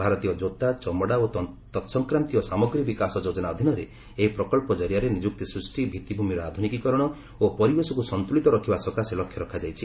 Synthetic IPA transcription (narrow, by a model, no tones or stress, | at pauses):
bʱaɾɔt̪ijɔd͡ʒot̪at͡ʃɔmɔɽaot̪ɔt̪sɔŋkɾant̪ijɔsamɔɡɾibikasɔd͡ʒod͡ʒɔnaɔd̪ʱinɔɾe | eɦipɾɔkɔlpɔd͡ʒɔɾjaɾenid͡ʒuk̚t̪isɾusʈibʱit̪ibʱumiɾɔad̪ʱunikikɔɾɔɽ̃ɔ | opɔɾibesɔkusɔnt̪ulit̪ɔɾɔkʰibasɔkaselɔkʰjɔɾɔkʰad͡ʒajt͡ʃʰi